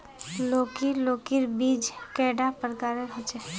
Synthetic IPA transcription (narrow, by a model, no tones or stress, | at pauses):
loːkiloːkiɾbiːd͡ʒkɛːɖapəɾkaːɾeɾɦot͡ʃɛ